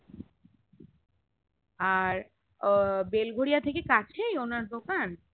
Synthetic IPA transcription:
aɾ | belɡʱoɾijat̪ʰekekat͡ɕʰejonaɾd̪okan

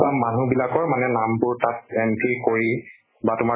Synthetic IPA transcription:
amanubilakɔɹmanɛnampʊɹtat̚ɛmpʰikoɹi | batʊma

